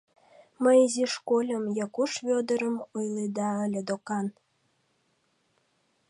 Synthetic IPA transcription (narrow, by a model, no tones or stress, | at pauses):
məjiziʃkolʲəmjɑkuʃvʲod̪əɾəmujled̪ɑə̆lʲed̪okɑn